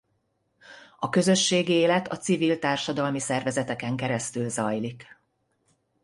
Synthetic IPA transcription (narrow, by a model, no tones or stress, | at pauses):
ɒkø̞zø̞ʃːeːɡieːlɛt̪ɒt̪sivilt̪aːrʃɒd̪ɒlmisɛrvɛzɛt̪ɛkɛŋkɛɾɛst̪ylzɒjlik